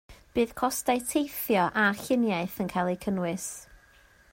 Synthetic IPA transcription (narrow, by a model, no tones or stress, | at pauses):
b̥ɨːð̥kʰɔstaɨtʰejθjɔʔaɬɪnjaɨθənkʰajlˠekʰənwɪs